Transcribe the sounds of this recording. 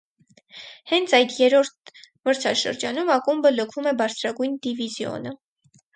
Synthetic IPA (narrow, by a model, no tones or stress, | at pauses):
hɛnt͡sʰɑjd̪jɛɾɔɾt̪̚ʰ | məɾt͡sʰɑʃə̰ɾd͡ʒɑnumɑkumbələkʰumɛbɑɾt͡sʰɾɑɡujnd̪ivizjɔ̰nə